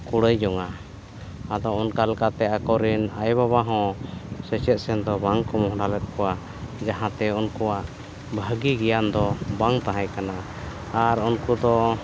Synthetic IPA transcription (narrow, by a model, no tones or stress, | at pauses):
kuɽəjd͡ʒɔŋa | ad̪ɔɔnkalkat̪ɛakɔɾinajbabaɦɔ̃sɛt͡ʃɛt̪̚sɛnd̪ɔbaŋkɔmɔɦɽalɛt̪̚ˀkɔa | d͡ʒaɦãt̪ɛunkɔaʔ | bʱəɡiɡɛjand̪ɔbaŋt̪aɦãjkanaː | ɾunkud̪ɔ